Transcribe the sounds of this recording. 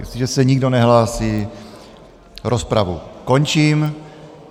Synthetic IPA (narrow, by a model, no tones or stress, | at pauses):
siʒɛsɛɲiɡdonɛɦlaːsiː | ɾospɾavṵko̞ɲt͡ʃiːm